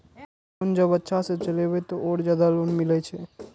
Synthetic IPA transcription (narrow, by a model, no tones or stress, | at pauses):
ond͡ʒəbətːʃʰasẽt͡ʃəlebet̪oʔoːɾd͡ʒjad̪alonmilɛt͡ʃʰɛ